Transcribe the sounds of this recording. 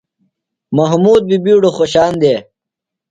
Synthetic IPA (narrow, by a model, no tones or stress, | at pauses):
mɐɦmuːd̪̚bibiːɖoxoɕaːnd̪eː